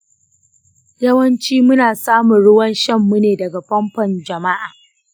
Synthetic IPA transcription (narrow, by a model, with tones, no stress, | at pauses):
jɐ˦wɐ˦nt͡ʃiː˦mʊ˦naː˨saː˦mʊ˨ɽʊ˦wɐ˦nʃɐ˦mːu˦neː˨dɐ˨ɡa˨ɸɐ˦mɸɐ˨nd͡ʒɐ˨ma˦ʔaː˨